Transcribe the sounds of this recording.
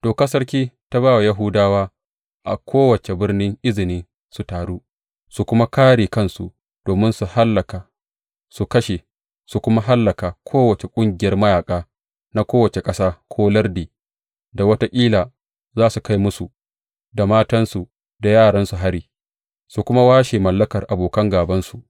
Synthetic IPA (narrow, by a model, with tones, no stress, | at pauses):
d̥oː˨kɐ˦sɐ˦rkʲiː˦ta˦βaː˦˨wa˨jɐ˦ɦuː˦daː˦waː˦ | ʔa̰˨kʷʰoː˦wɐ˨t͡ʃe˨bɪ˦rnɪ˦ŋʔɪ˦zɪ˨niː˦ | su˨taː˨ɽuː˦ | su˨kʷʊ˦ma˦kaː˦ɽiː˨kɐ˦nsṵ˨ʔ | d̥oː˨mɪ˦nsu˨ha˦lːɐ˨ka˨ | su˨kɐ˦ʃe˨ | su˨kʷʊ˦ma˦ɦa˦lːɐ˨ka˨kʷʰoː˦wɐ˨t͡ʃe˨kʷʼʊ˦ŋɡʲɪ˨jɐ˦rmɐ˦jaː˨kʼaː˦ | na˦kʷoː˦wɐ˨t͡ʃe˨kʼɐ˦saː˦kʷʰoː˦lɐ˦rdiː˨ | da˨wɐ˦ta˦ʔʲʼiː˦laː˨ | zaː˦su˨ka˦jmʊ˦su˨ | da˨maː˦tɐ˦nsu˨ | da˨jaː˦˨ɽɐ˦nsu˨ɦa˦ɽiː˨ | su˨kʷʊ˦ma˦waː˦ʃe˨mɐ˨lːɐ˦kɐ˨rʔa˨boː˨kɐ˦ŋɡaː˨bɐ˦nsu˨ʔ